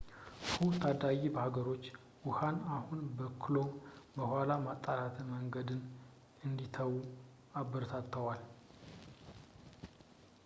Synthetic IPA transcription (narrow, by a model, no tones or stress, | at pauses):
fut̪ʰad̪ajibəhaɡəɾo̞t͡ʃː | wʊhanahunbəkʰɨlo̞mbəhʷalamat̪ʼːalat̪ʰməŋɡəd̪ɨn | ɨnd̪it̪ʰəwːu | abːɨɾt̪ʰat̪ːəwal